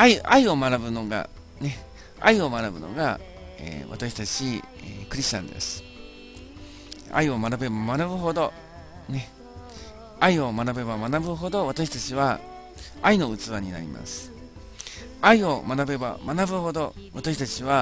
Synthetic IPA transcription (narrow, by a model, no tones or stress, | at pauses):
aiaio̞manabɯ̟no̞ɡa̰ | ne̞ | a̰io̞manabɯ̟no̞̰ɡa | ḛːβa̰t̪aɕi̥t̪at͡ɕi | ekɯ̟ɾʲiɕt͡ɕã̰nd̪e̞̰sɨ̥ | a̰io̞manabe̞bamanabɯ̟ɦo̞d̪o̞ | ne̞ | aio̞manabe̞bamanabɯ̟ɦo̞d̪o̞βat̪aɕi̥t̪at͡ɕiβa | aino̞ɯ̟t͡sɨβaɲ̟ina̰ɾʲḭma̰sɨ̥ | aio̞manabe̞ba̰manabɯ̟ho̞d̪o̞βat̪aɕi̥t̪at͡ɕiβa